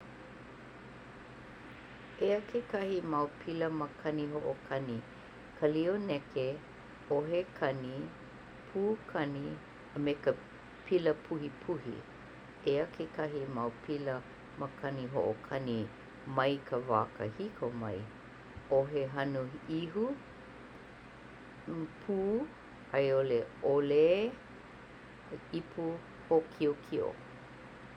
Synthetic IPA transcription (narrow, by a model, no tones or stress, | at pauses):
eəkʰekɐhimɐwpʰiləməkʰɐniɦoʔokʰɐni | kʰəlionɛke | oɦekʰɐni | pʰuːkʰɐni | əmekə | pʰiləpʰuhipʰuhḭ | eəkʰekʰɐɦimɐwpʰilə | məkʰɐniɦo̰ʔokʰɐni | mɐjkʰəva̰ːkə̰hikʰomɐj | oɦeɦɐnuiɦu | pʰuː | ɐjoleole | ipʰu | hokʰiokʰio̰